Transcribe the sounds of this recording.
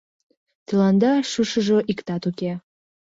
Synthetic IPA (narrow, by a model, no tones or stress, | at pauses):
t̪ilɑnd̪ɑʃuʃəʒŏʔikt̪ɑt̪uke